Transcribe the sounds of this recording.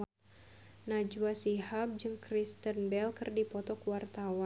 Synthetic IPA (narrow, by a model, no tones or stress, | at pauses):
nad͡ʒuwasihap̚d͡ʒɨŋkɾist̪ənbɛlkɨrdipɔt̪ɔkuwart̪awa